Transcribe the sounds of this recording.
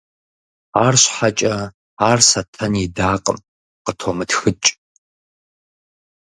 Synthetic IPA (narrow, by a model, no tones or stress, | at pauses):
aːrɕħat͡ʃʼɐ | aːrsɐtʰɐnidaːqʼə̰m | qətʰomɨtxɨt͡ʃʼ